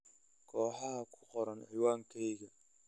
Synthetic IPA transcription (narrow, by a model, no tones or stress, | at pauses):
kʰɔːħɑɦɐkʰʊ̥qɔɾɐnʕiːwaːŋkʰɛjɣɐ